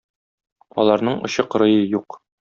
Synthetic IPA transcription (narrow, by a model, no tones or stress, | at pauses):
ɒ̰lˠɑɾnɤɴŏɕɤq̆ɾɤ̆jɤjuq